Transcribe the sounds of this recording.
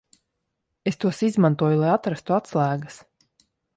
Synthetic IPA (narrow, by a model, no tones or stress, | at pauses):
est̪uɔsizmant̪uɔjulˠajat̪ɾast̪uat̪slˠæːɡəs